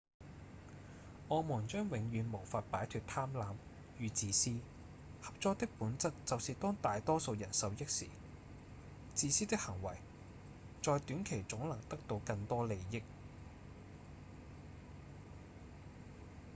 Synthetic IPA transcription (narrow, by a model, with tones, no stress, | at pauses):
ʔɔː˨˧mɔː˨˩nt͡ʃœː˥ŋwɪ˨˥ŋjyː˨˧nmo˨˩wfaː˧t̚paː˨˥jt̪ʰyː˧t̚t̪ʰaː˥mlaː˨˧m | jyː˨t͡siː˨˧siː˥ | hɐ˨p̚t͡sɔː˧k̚t̪ɪ˥k̚puː˨˥nt͡sɐ˥t̚t͡sɐ˨wsiː˨˧t̪ɔː˥ŋt̪aː˨jt̪ɔː˥so˧wjɐ˨˩nsɐ˨˧wjɪ˥k̚sḭː˨˩ | t͡siː˧siː˥t̪ɪ˥k̚hɐ˨˩ŋwɐ˨˩j | t͡sɔː˨jt̪yː˨˥nkʰe˨˩jt͡sʊ˨˥ŋlɐ˨˩ŋt̪ɐ˥k̚t̪o˧wkɐ˧ŋt̪ɔː˥le˨˧jjɪ˥k̚